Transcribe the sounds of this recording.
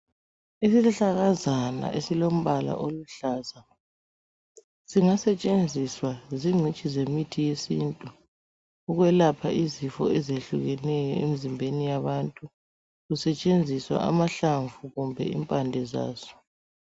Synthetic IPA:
isiliɬaɣazana̰ʔesilom̩βala̰ʔoluɬaːza | z̥iŋasɛt͡ʃʼend͡zʱiswaziŋ͡ǀʱit͡ʃʼizemitʰijesintʼuː | ɣwɛlapʰaʔizifɔ̰ɛzeɬuɣɛnɛjɔḛmizimbʱenijaβantʼu | ɣusɛt͡ʃʼend͡zʱiswa̰ʔa̰maɬaɱvuɣumbʱɛ̰ḭmpʼandʱɛza̰ːz̥ɔ̥

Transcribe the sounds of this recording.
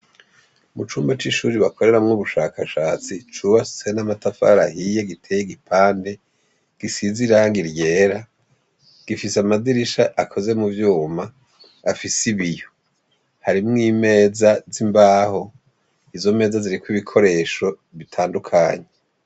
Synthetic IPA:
mut͡ʃuːmbat͡ʃiʃuːɾiβako̞ɾe̞ɾamŋuβuʃaːkʰaʃaːt͡sit͡ʃuːβassenamatafa̰ɾa̰hije̞ɡitʰe̞jeɡipʰaːnde̞ | ɡ̥isiziɾaŋɡiɾje̞ːɾa | ɡ̥ifiseamaziɾiʃaʔakʰo̞ze̞muvjuːmaː | fisiβijo | haɾimŋiːme̞ːzazimbaːho̞ | izo̞me̞ːzaziɾikwiβikʰo̞ɾe̞ːʃo̞ | βitʰaːndukʰaːɲe

